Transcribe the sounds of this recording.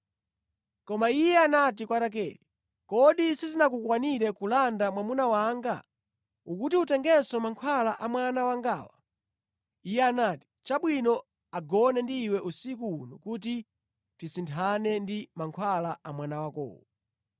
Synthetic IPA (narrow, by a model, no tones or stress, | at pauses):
kɔmaijɛanat̬ikwatak̬ɛːɾi | kɔɗisizinak̬ukwaniɾɛkulandamwamunawaŋɡa | ukutiutɛŋɡɛsɔmaŋkʰwalaʔamwanawaŋɡaːwa̰ | ijɛanaːti̥t͡ʃaɓwinɔ | aɡɔnɛndiːwɛʔusikuunukut̬i | tisintʰanɛndimaŋkʰwalaamwanawakɔ̰ːwɔ